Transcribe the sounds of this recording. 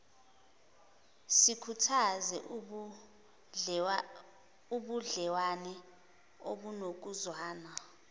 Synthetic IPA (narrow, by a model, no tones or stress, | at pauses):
sikʰutʰazɛ | uɓuɮɛwanɛ | oɓunok̬uzwaːna